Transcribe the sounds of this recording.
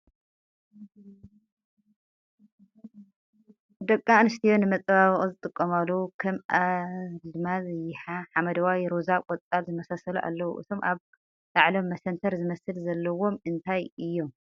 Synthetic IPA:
d̪ɐkʼːanɨst̪ʰijo̞nɨmɐt͡sʼβaβɨχʼuzɨt̪ʼɨkʼːɐmalːɐwukʰɐmʔalɨmazjɪħaħamɐd̪ɐwawjɾozakʼɔt̪ʼalzɨmɐsasɐluʔa̰lːɐwṵʔɨ̰t̪ʰo̞mʔaβ | laʕlomːɐsɐnt̪ʰɐɾzɨmɐsɨlzɐlːɐwo̞mɨnt̪ʰajɨjːo̞m

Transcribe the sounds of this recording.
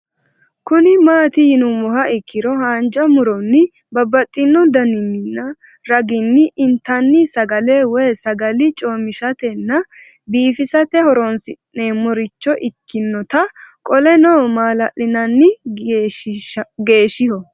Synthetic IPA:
kʊnɪmaːt̪ɪjɪnʊmɔhɐʔɪkːɪɾɔhaːnd͡ʒɐmʊɾɔnːɪ | bɐbːɐt̪ʼːɪnːɔd̪ɐnɪnːɪnːɐ | ɾɐɡɪnːɪʔɪnt̪ɐnːɪsɐɡɐlewɛːsɐɡɐlɪt͡ʃʼo̞ːmɪʃɐt̪ɛnːɐ | biːfɪsɐt̪ɛhɔɾɔnsɪʔneːmɔɾɪt͡ʃːɔʔɪkʰːɪnːɔt̪ɐkʼɔlɛnoːmaːlɐʔɪnɐnːɪ | ɡe̞ːʃɪhɔ

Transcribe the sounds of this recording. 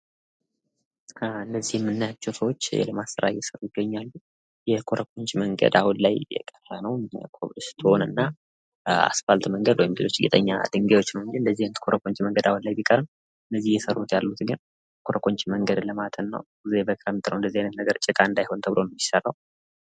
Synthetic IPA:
ɨnːəzːihɛmːɨnːajat͡ʃːɛwsəwo̞t͡ʃːjɛ̰ləmasəɾa̰jɛsəɾujɪɡəɲːalːu | jɛkʰoɾʔəkʰʼoɲt͡ʃʼiməŋɡə̰d̪awunlajjɛ̰kʼərːənəwkʰoβlɨst̪ʰonɨnːa | a̰sfalt̪ʰməŋɡəd̪wɔjɪmbilo̞t͡ʃːjɪ̰t̪ʼəɲːa̰d̪ɨŋɡewot͡ʃːnəwɨnd͡ʒiɨnd̪əzːihnt̪kʰo̞ɾʔəkʰʼoɲt͡ʃiməŋɡəd̪awunlajbikʼəɾn | ɨnːəzːihjɛsərːut̪jalːut̪ɡɨn | kʰoɾəkʰʼo̞ɲt͡ʃʼiməŋɡəd̪ləmat̪ʰənːə̰w | zebəkʼɨɾəmt̪ʼɨnəwɨnd̪əzːihajnət̪nəɡəɾt͡ʃʼɪkʼaɨnd̪ajho̞nt̪ʰəbɨlʔonmːiʃsəɾəw

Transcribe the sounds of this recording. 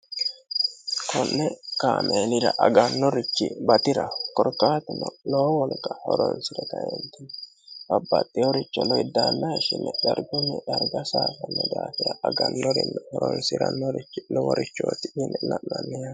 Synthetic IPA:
kʰɔnːɛkaːmʔeːnɪɾɐʔɐɡɐnːɔɾɪt͡ʃːɪbɐt̪ɪɾɐkɔɾkːaːt̪ɛnːɔloːwɔlkːɐhɔɾɔnsɪɾɛt̪ɐḛnt̪ːɪnɛ | ɐbːɐt̪ʼːɪjɔɾɪt͡ʃːɔlɔjɪd̪aːnːɐʃɪnːɛd̪ɐɾɡʊnːɛʔɐɾɡɐsaːfɐnːɛd̪aːt̪ɪɾɐʔɐɡɐnːɔɾɪnːɛhɔɾɔnsɪɾɐnːɔɾɪt͡ʃːɪnɔwɔɾɪt͡ʃːoːt̪ɪʔɪnːɛnɐʔnɐnːɛja

